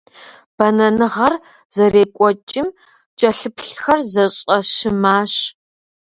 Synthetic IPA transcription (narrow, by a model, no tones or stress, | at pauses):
b̥ɐnɐnɨʁɐr | zɐreːkʷʼɔt͡ʃʼɪm | t͡ʃʼɐɬɨpʰɬxɐrzɐɕʼɐʃɨmaːɕ